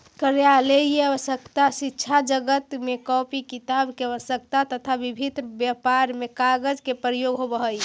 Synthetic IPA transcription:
kəɾjalejeəʋəsəkt̪asitːʃʰad͡ʒəɡət̪mekɔpikit̪abkeəʋəsək̚t̪at̪ət̪ʰabibʱit̪ɾbjəpaɾmekaɡəd͡ʒkepɾəjoɡɦobəɦəj

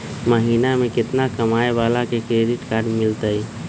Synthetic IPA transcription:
məɦiːnamẽkɪt̪nakəmaːebalakekɾeɖɪʈkaːɾɖmɪlt̪əj

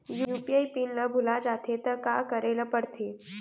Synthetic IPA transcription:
juupiajpinləbʱulad͡ʒat̪ʰet̪əkakəɾeləpəɽt̪ʰe

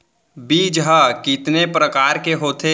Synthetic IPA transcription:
biːd͡ʒɦakɪt̪nepɾəkaːɾkeɦoːt̪ʰe

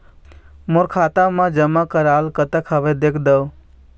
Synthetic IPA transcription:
moɾkʰat̪amãd͡ʒəmːakəɾalkət̪əkʰəbed̪ekʰd̪əw

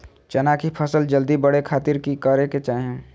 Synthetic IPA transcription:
t͡ʃɐnaːkʰipʰɐsəld͡ʒəld̪ibɐɽekʰaːt̪ɪɾkikaːɾeket͡ʃaːɦiẽ

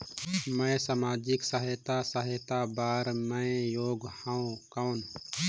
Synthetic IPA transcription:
mə̃esaːmaːd͡ʒɪksəɦet̪asəɦet̪abaːɾmə̃joːɡhãõkãn

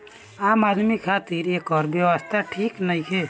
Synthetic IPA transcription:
amad̪mikʰat̪iɾekɔɾbjewəst̪ʰaʈʰiknəjkʰe

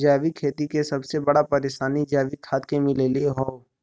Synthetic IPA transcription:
d͡ʒaːʋikʰeːt̪ikesɐbsebɐɽapɐɾeʃaːnid͡ʒaːʋikʰaːt̪kemɪlelieɦoː

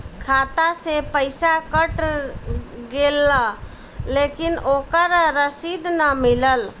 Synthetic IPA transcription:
kʰat̪asepəɪsakəʈ | ɡela | lekinokəɾɾəsid̪nəmiləl

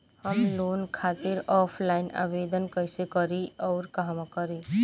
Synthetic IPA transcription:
həmloːnkʰaːt̪iɾɔːpʰlaːɪna̰ːbeːd̪ənkəjsekɔɾiɔːɾkɐɦãmakɔɾi

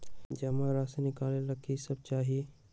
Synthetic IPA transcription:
d͡ʒɐmãɾaːsenɪkaːlẽlɐɡisɐb̚t͡ʃaːɦi

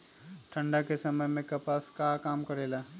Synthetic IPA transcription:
ʈʰə̃ɳɖakesɐməjmẽkɐpaːskakaːmkɐɾeːlaː

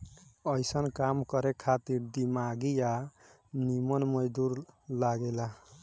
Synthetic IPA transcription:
ʌjsʌnkamkʌɾekʰat̪iɾd̪imaɡija | nimʌnmʌd͡ʒd̪uɾlaɡela

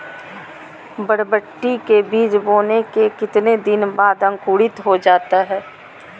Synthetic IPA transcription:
bəɽbəʈːikebiːd͡ʒboːnekekɪt̪ned̪ɪnbaːd̪ɐ̃ŋkuːɽɪt̪ɦod͡ʒaːt̪aɦɛː

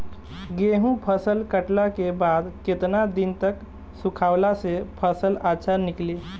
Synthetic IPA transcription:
ɡeɦũpʰəsəlkəʈlakebad̪ket̪nad̪int̪ək | sukʰaʊlasepʰəsəlaʃʰanikli

